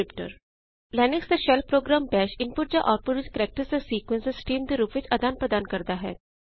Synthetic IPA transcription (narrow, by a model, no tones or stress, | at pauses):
ɪpʈə̰ɾ | lɛːnɪksd̪eʃɛlpɾoːɡɾaːmbɛːʃɪ̃npʊʈ̚d͡ʒaʔɔːɾpʊɾʋɪt͡ʃkəɾɛːk̚ʈəɾsesiːkwə̃nse̥sʈiːmd̪eɾuːpʋɪt͡ʃʰɐd̪aːnpɾəd̪aːnkɐɾd̪aɦɛ̰ː